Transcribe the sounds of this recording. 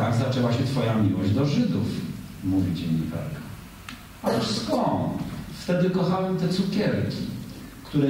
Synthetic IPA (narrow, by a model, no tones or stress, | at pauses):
aɡzat͡ʂɛwaɕɛt̪fɔjamʲiwɔʑd͡ʑd̪ɔʐɘd̪ufmuvʲid͡ʑeɲɲḭka̰ɾka | at̪uʂskɔnt̪ft̪ɛd̪ɘkɔxawɛmt̪ɛt̪sukʲɛɾkʲi | kt̪uɾɛ